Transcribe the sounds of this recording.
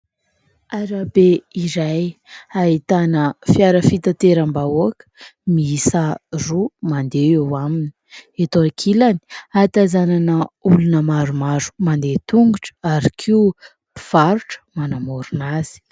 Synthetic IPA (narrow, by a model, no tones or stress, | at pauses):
aɾabeiɾajait̪anəfiaɾəfit̪at̪eɾambaoakə̥miisarumand̪eewamini̥et̪oakʰilani̥at̪azananəulunəmaɾumaɾu̥mand̪et̪uŋɡuʈ͡ʂə̥aɾikʰiu | pi̥v̥aɾuʈ͡ʂə̥manamoɾunazi̥